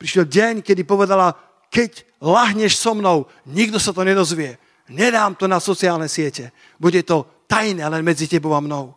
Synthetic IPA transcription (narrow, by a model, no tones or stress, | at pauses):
pɾiʃjɛlɟɛɲkɛd̪ipɔʋɛd̪ala | kɛc | laɦɲɛʃsɔmnɔʊ | ɲiɡd̪ɔsat̪ɔɲɛd̪ɔzʋɪɛ | ɲɛd̪aːmt̪ɔnasɔt͡siaːlnɛsɪɛcɛ | buɟɛt̪ɔ | t̪ajnɛːlɛnmɛd͡zicɛbɔʊamnɔʊ